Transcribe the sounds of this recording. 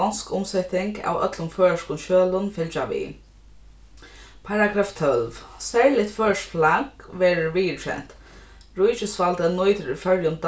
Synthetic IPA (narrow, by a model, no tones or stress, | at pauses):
ɔnskʊmsɛt̪ɪŋka̰wœ̰t̪lʊmfœːʂkʊnʃøːlʊnfɪlt͡ʃaʋḭː | pʰaɾaɡɾaːft̪ʰœlvsɛɹlɪt̪fœːʂflakʋɛːɾʊɹʋiːɪtʰɛ̰n̥t̪ | ɹujt͡ʃɪsfalt̪ənujt̪əɾifœɹjʊnt̪